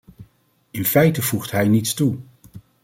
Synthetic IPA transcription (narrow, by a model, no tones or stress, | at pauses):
ɪnfɛjtəv̥uχtɦɛjnitstu